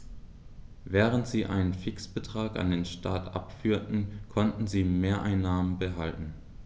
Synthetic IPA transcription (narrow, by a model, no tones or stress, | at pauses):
vɛːʁ̞əntz̥iːʔa̰ɪnənfɪksb̥ətʁ̥aːka̰ndeːnʃtʰaːtʔa̰pfyːɐtn̩kʰɔntn̩ziːmeːɐʔaɪnːaːmənbəɦaltn̩